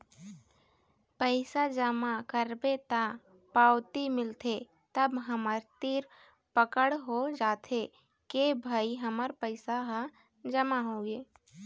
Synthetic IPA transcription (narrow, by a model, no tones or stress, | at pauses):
pəɪsad͡ʒəmakəɾbet̪a | paːwt̪imɪlt̪ʰe | t̪əbɦəməɾt̪iːɾ | pəkəɽɦod͡ʒaːt̪ʰe | kebʱaːiɦəməɾpəɪsaɦ | d͡ʒəmaɦõːɡeː